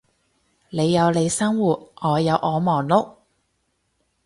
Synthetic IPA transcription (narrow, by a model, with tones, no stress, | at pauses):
le˨˧jːɐ˨˧wle˨˧jsɐ˥ŋwuː˨t̚ŋɔː˨˧jɐ˨˧wʔɔː˨˧mɔː˨˩ŋlʊ˥k̚